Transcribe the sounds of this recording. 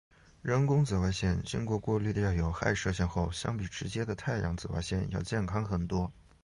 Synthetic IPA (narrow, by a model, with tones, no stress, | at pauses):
ɻə˧˥nkʊ˥ŋt͡sɹ̩˨˩wa˧˥ɪɕjɛ˥˩nt͡ɕy˥ŋkwɔ˧˥kwɔ˥˧ly˥˩d̪ə˩jɑ˥˩ʊjo˨˩ʊxa̰˥˧ɪʂɤ˥˧ɕ̬jɛ˥˧nxo˥˩ʊɕjɑ̰˥ŋpi˨˩ʈ͡ʂɻ̩˧˥t͡ɕjɛ˥d̪ə˨t̪ʰa˥˩ɪjɑ̰˧˥ŋt͡sɹ̩˧˩wa̰˧˥ɪɕjɛ˥˩njɑ˥˧ʊt͡ɕjɛ˥˩nkʰɑ˥ŋxə˨˩nt̪wɔ˥